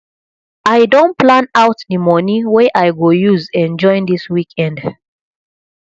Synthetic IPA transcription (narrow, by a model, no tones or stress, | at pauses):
ʔajdõnplãnaʊtnimɔniwɛʔajɡojuzɛ̃nd͡ʒɔ̃ɪ̃nd̪iswikʰɛ̃nd